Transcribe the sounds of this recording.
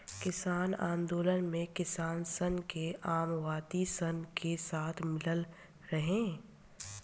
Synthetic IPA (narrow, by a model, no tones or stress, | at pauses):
kɪsaːnã̰ːnd̪oːlənmẽkɪsaːnsənkeʔaːmʋaːd̪isənkesaːt̪ʰmɪləl | ɾɐɦẽː